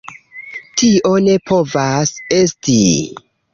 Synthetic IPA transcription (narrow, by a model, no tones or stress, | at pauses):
tio̞ne̞pʰo̞vase̞stḭ